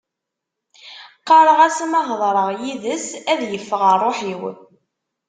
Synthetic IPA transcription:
qːɑɾˤəʁæsmɑɦðˤɾˤəʁjiðəsæðjəfːəʁərˤːoħiw

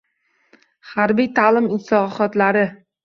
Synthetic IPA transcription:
haɾbijt̪ʰaːlɪmɪnsɒχɒt̪laɾɪ

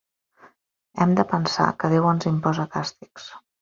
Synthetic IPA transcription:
ɛmd̪əpənsa̰kəðewənzimpɔzəkast̪iks

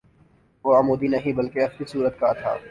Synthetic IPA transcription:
ʋoɐmuːd̪inɐɦĩbɐlkeɐxlisuːɾət̪kat̪ʰa̰ː

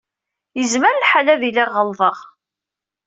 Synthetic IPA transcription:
jəzməɾlħalæðilæʁːəlðˤəʁ

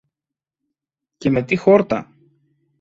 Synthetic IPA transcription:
ce̞me̞t̪ixo̞ɾt̪ɐ̰

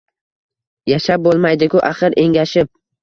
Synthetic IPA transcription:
jaʃap̚bolˠmajd̪ɪkʲʊʔaχɨɾʔe̞ŋʲaʃɪp̚

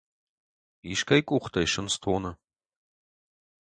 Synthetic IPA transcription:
iʃkʰɐjkʷʼuːχʷt̪ʰɐjʃɪnst̪ʰoːnɐ

